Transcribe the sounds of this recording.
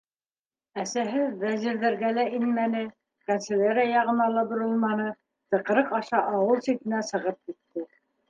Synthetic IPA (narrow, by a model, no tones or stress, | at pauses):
æsæɦɘwæziɾðɘ̆ɾɡælæʔinmænɘ | kansĕlʲeɾɑjɑʁɤ̆nɑlˠɑbŏɾɤlˠmɑnɤ | t̪ɤ̆qɤ̆ɾɤqɑʃɑʔɑwɤlˠsit̪ɘ̆næsɤ̆ʁɤp̚kit̪ːɘ